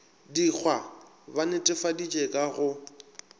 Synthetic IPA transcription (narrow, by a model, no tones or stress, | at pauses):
dik͡xʰwa | banɪtʼɪfadit͡ʃʼekʼaɣʊ